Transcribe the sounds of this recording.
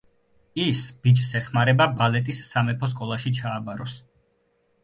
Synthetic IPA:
isb̥it͡ʃʰʼsɛχmaɾɛbabalɛt̪ʼisːamɛpʰɔs̬kʼɔlˠaʃit͡ʃʰaːbaɾɔs

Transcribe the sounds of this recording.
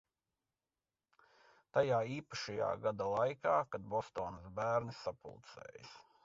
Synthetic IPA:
t̪ajaːiːpaʃaja̰ːɡad̪alˠajkaːkad̪̚bɔst̪oːnsbæːɾnisapṵlˠt̪sɛ̰ːjɪs

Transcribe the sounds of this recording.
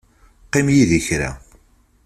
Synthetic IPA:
qɪmjiðiçɾa̰

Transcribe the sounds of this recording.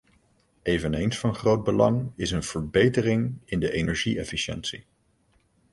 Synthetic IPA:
ejvənejnsfɑnχrowd̚bəlɑŋɪsənv̥əɹbejtərɪŋɪndəʔejnɛɹʒiɛfiʃɛ̰nsḭ

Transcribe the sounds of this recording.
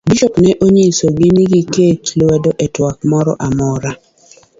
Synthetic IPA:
biʃɔknɛʔoɲesoɡiniɡiketlwɛdoʔɛtwak̚mɔɾɔ̰ʔamɔɾa

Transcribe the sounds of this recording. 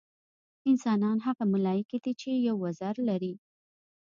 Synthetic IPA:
ɪnsɑnɑnɦaɣamʊlɑjɪked̪it͡ʃejawazaɾlaɾi

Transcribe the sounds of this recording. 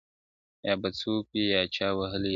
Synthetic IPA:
jabɐt͡supijaːt͡ʃaːwɐɦəli

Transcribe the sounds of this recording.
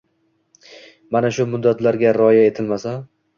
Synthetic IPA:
manaʃʊmʊd̪ːat̪laɾɡʲaɾɪɒjae̞t̪ʰɪlmasan

